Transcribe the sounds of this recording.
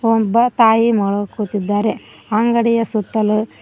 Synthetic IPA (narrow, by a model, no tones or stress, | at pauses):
ɔmbɐt̪aːjimɐɭokuːt̪id̪ːaːɾe | aŋɡɐɽijɐsut̪ːɐlu